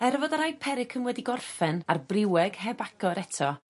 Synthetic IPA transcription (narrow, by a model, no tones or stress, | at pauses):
ɛrvɔdəɾajpʰɛɾɪkʰənwɛdiɡɔrfɛnarbrɪwɛɡ̥hɛbaɡ̥ɔɾɛtʰɔ